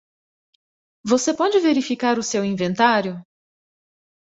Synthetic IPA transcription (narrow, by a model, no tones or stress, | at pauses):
vosepɔd͡ʒɪveɾifikaɾʊsewĩvẽnt̪aɾjʊ